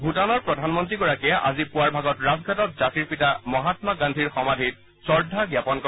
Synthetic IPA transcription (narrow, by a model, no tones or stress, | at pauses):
bʱutanɔɹpɹɔdʱanmɔntɹiɡɔɹakɛʔa̰zipʊaɹbʱaɡɔtɹazɡʱatɔt̚zatiɹpitamɔɦatmaɡandʱiɹxɔmadʱit | sɔɹdʱaɡjapɔnkɔ